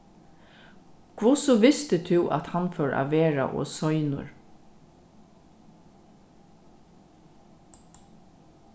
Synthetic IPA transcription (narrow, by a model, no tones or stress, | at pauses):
kʰʋʊsɔʋɪst̪ət̪ʰʊːʔa̰t̪hanfœɹʔa̰ʋeːɹa̰ʔɔ̰ːsɔʏnʊ̰ɹ